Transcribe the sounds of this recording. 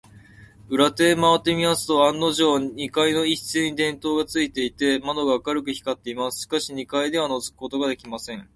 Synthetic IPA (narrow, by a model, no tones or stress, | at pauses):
ɯ̟ɾat̪e̞ːmaβat̪ːe̞mʲimasɨ̥t̪o̞ãnːo̞ʑoɲ̟ikaino̞i̥sɨːɲ̟id̪ẽ̞nt̪o̞ːɡat͡sɨit̪e̞it̪e̞mano̞ɡaːkaɾɯ̟kɯ̟çi̥kat̪ːe̞imasɨ̥ɕkaɕiɲ̟ikaid̪e̞β̞ano̞zɨ̥kɯ̥ko̞t̪o̞ɡad̪e̞kʲimasẽ̞ɴ